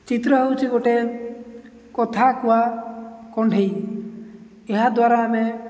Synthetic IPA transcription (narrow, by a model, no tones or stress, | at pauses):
t͡ʃit̪ɾɔɦewt͡ʃʰiɡoʈe | kɔt̪ʰakuwakɔɳɖʱej | eɦad̪waɾame